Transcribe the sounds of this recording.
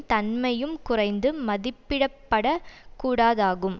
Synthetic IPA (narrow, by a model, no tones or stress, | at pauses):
t̪ɐnmɐjɯmkʊrɐɪnd̪ɯmɐðɪpːɪɽɐpːɐɽɐkuːɽaːðaːɣɯm